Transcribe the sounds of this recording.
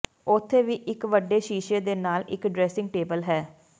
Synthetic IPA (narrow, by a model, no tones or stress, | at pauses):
ʊt̪ʰːeːʋiːʔɪkʋəɖeːʃiːʃeːd̪eːnaːlɪ̰kɖɾɛːsɪŋɡ̚ʈeːbəlɦɛː